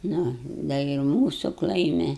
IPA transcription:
ˈnʊ dɐ ɪ ˈmuːsʊ ˈklˠɐɪmʲɪ

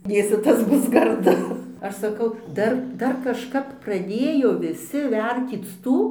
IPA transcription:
ˈdʲeːsʲɪ ˈtɐs ˈbʊs ɡɐrˈdʊ ˈɐʃ sɐˈkɐʊ ˈdɐr ˈdɐr kɐʃˈkɐp prɐˈdʲeːjoː ʋʲɪˈsʲɪ ˈʋʲɛrʲtʲiːt͡s ˈtuː

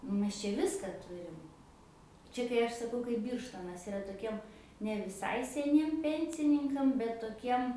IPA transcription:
ˈmʲɛs t͡ʃʲɛ ˈʋʲɪskɐ ˈtʊrʲɪm ˈt͡ʃʲɛ kɐɪ ˈɐʃ sɐˈkɐʊ kɐɪp ˈbʲiːrʃtoːnɐs ɪˈrɐ toːˈkʲiɛm nʲɛ ʋʲɪˈsɐɪ sʲɛˈnʲiɛm ˈpʲɛnʲsʲɪnʲɪŋkɐm bʲɛt toːˈkʲiɛm

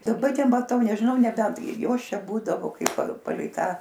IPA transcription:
dɐˈbɐ nʲɛmɐˈtɐʊ nʲɛʒʲɪˈnɐʊ nʲɛˈbʲɛnt ˈjoːs ˈt͡ʃʲɛ ˈbuːdɐʋoː ˈkɐɪp pɐ pɐˈlʲɛɪ ˈtɑː

